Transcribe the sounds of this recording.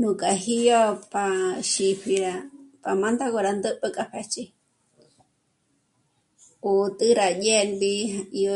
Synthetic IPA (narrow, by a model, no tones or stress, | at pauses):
nũkʼaɦijopaʃipʰiɾapamãnd̪aɡoɾand̪ɨʔpəkʼapʰet͡ʃʼi | ut̪ʼɨɾaʄenbiai